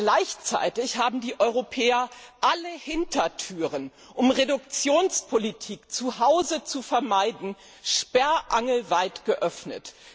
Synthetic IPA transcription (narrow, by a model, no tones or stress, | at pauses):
ɡ̥laɪçt͡sa̰ɪtɪçhaːbm̩diːʔɔʏʁopʰɛːɐʔaləhɪntɐtʰyːʁən | ʔʊmʁedʊkt͡sjoːnspʰolitʰiːkt͡suhaʊzət͡sufɛɐmaɪdn̩ | ʃpɛɐʔaŋl̩vaɪtɡ̥əʔœfnə̰t